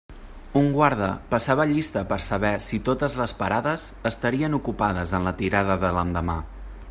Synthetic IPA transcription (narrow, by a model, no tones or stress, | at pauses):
uŋɡwaɾðəpəsaβəʎist̪əpəɾsəβɛsit̪ot̪əzləspəɾaðəzəst̪əɾiənukupaðəzənlət̪iɾaðəðələnd̪əma